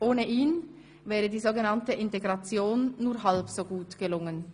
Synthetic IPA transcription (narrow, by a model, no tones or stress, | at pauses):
ʔoːnəʔiːn | vɛːʁədiːzoːɡənɑntəʔɪnteɡʁɑt͡sjoːnːuːɐɦalpsoːɡuːtɡ̥əlʊŋən